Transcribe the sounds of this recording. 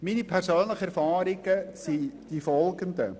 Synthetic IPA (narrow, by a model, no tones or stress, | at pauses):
miːnipʰɛɾsøːnləχəɛɾfɑːɾɪɡ̥əsid̥ifɔlɡənd̪ə̰